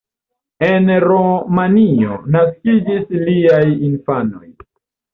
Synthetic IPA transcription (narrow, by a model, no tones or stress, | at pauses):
e̞nɾomanio̞̰naskid͡ʒisliajinfano̞̰j